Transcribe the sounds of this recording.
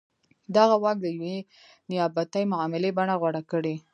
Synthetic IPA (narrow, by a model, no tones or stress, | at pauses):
d̪aɣawɑk̚d̪əjwe | nɪjɑbat̪ajmʊʕɑmɪlebaɳaɣwaɽakəɽe